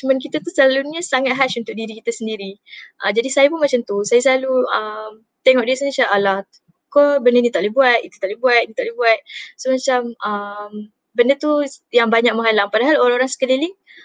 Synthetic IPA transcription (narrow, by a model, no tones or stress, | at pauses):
t͡ʃumank̬it̪at̪usəlalunasaŋat̪̚ɦat͡ʃunt̪ʊk̚diɾikit̪asəndiɾiʔəd͡ʒadisajapunmat͡ʃamt̪usajasəlaluəm | t̪ɛŋɔʔ̚disaɲəsaʔalah | kobəndənĩt̪aʔlebuat̪̚it̪u̥t̪aʔlehbuat̪̚nit̪aʔlehbuat̪̚somat͡ʃaməm | bəndət̪ujaŋbaɲak̚məŋɦalaŋpadaɦaloɾaŋoɾaŋsə̥kəliliŋ